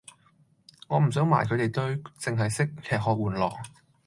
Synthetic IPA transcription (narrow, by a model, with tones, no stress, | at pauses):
ŋɔː˨˧m̩˨˩s̬œː˨˥ŋma̰ː˨˩jkʰɵ˨˧ɥt̪e˨jt̪ɵ˥ɥt͡sɪ˨ŋɦɐ˨jsɪ˥k̚kʰɛː˨hɔː˨k̚wuː˨˩nlɔː˨˩k̚